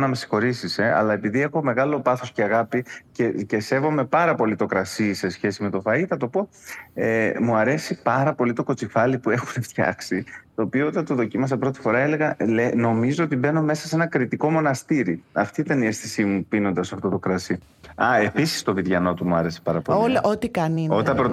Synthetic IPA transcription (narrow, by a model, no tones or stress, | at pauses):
nɐmesi̥xo̞ɾisise̞ɐ̰lɐe̞piðie̞xo̞me̞ɣɐlo̞pɐθo̞sceɐɣɐpicece̞se̞vo̞me̞pɐɾɐpo̞lit̪o̞kɾɐsise̞sçe̞sime̞t̪o̞fɐiθɐt̪o̞po̞ | emuɐɾe̞sipɐɾɐpo̞lit̪o̞ko̞t͡sifɐlipue̞xuneft̪çɐ̰ksit̪o̞ːpioot̪ɐnt̪o̞ðo̞cimɐs̬ɐpɾo̞t̪i̥fo̞ɾɐe̞le̞ɣɐleno̞mizoot̪ibe̞no̞me̞sɐse̞nɐkɾit̪iko̞mo̞nɐst̪iɾiɐft̪it̪ɐnie̞sθisimupino̞nd̪ɐsɐft̪o̞t̪o̞kɾɐsi | ɐe̞pisi̥st̪o̞viðʝɐno̞t̪umuɐɾe̞se̥pɐɾɐpo̞liot̪ikɐno̞t̪ɐpɾo